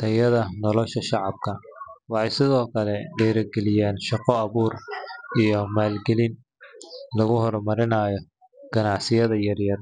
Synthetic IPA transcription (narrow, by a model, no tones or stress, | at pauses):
t̪ʰɐjɐðɐnɔlɔʃɐʃɑʕɑb̥̚kʰɐwɑħɑjsɪðɔːkʰɐlɛɖɛːɾɐɡɛlɪjaːnʃɑqɔɐβuːrijɔmaːlɡɛlin | lɐɣʊhɔrmɐɾɪnɐːjɔ | ɡ̥ɐnɑʕsɪjɐðɐjɐrjɐr